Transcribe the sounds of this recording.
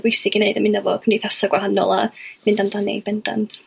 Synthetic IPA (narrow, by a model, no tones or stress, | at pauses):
bʊjsɪɡineɨdəmɪnəvɔkʰəmdiθasaɡwahanɔ̰lˠa̰mɨndamdanḭb̥ɛnda̰ntʰ